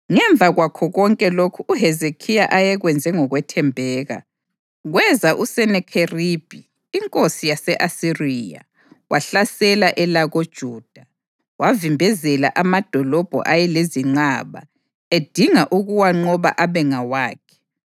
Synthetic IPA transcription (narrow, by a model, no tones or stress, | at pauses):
ŋɛɱb̪vʱaɣwakʰɔɣɔŋkʼɛlokʰuʔuɦɛzekʰijaʔajɛɣwɛnd͡zʱɛŋɔɣwɛtʰɛmbʱɛːɣa̰ | ɣwɛzaʔusɛnɛkʰerib̥ʱiː | ŋkʼosijasɛʔasiriːja̰ | waɬasɛlaʔɛlaɣod̥ʒ̥ʱuːd̥ʱa | wavimbʱɛzɛla̰ʔamad̥ʱɔlɔb̥ʱɔ̰ʔajɛleziŋ͡ǀaβa̰ | ed̥ʱiŋaʔuɣuwaŋ͡ǃɔβa̰ʔaβɛŋawaːkʰɛ̥